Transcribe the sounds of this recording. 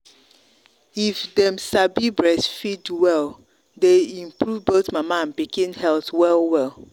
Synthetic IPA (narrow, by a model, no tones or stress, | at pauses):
ifdɛ̃msabibɹɛsfidwɛl | deĩmpʰɹuvbotmamaãnpikĩnhɛlθwɛlˠwɛlˠ